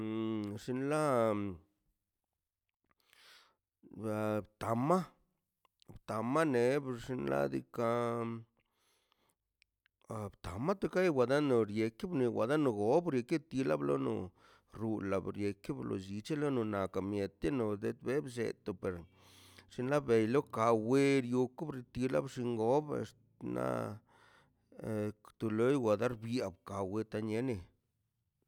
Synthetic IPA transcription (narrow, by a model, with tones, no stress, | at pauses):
ʂi˧nla˦ | a˧˨bt̪a˨ma˦ | bt̪a˨ma˦ne˨˦bʂi˧nla̰˦d̪ḭ˧ka˧ | a˨bt̪a˨ma˦t̪o˧ka˦jwʷa˨d̪a˦no˧˨ɾje˧ki˦bni˧wa̰˨d̪a˦no˧ɡo˨˦bɾje˧ke˦b̚t̪i˧la˦blo̰˦nṵ˧ | ɾu˧la˨bɾje˧ki˦blo̰˧zi˧t͡ʃe˦lo˦nu˧na˨ka˨mje˨t̪e˦no˨d̪ḛ˦t̪̚be˦bsḛ˨t̪o˨pe˨ɾ | ʂi˧nla˦be˨jlo˦ka˧we˦ɾju˧ku˦bɾi˧t̪i˧la̰˦bʂi˧ŋɡo˦bḛ˧s | na̰˦ | t̪u˨lo˦jwa˨d̪a˦ɾbja˨bka˨we˧t̪a˧ɲe˧˦ni˧